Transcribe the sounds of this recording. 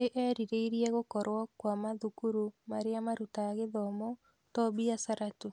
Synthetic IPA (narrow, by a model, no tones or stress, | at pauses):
eʔɛɾiɾeiɾiɛɣokɔɾwɔkwamaðukuɾumaɾeamaɾutaɣeðɔmɔ | tɔbiasaɾato